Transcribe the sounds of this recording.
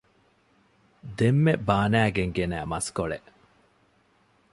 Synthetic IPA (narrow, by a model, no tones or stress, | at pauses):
d̪emːebaːnæːɡeŋɡenæːmɐskoɭḛʔ